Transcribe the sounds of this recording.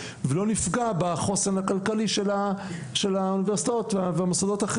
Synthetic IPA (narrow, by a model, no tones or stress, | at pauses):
velo̞nifɡabaχo̞senhakalkaliʃela | ʃelauniveʁsit̪aot̪vveamosad̪o̞t̪aχ